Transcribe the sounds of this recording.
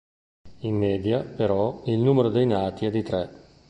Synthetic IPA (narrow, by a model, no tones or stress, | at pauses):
inːeːd̪japeɾɔilnuːmeɾod̪ejnaːt̪iɛd̪it̪ɾɛ